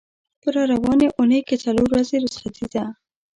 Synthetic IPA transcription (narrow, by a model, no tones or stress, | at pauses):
pəɾɑɾawɑneʔʊnəjket͡saloɾwazeɾʊsχat̪ʰid̪a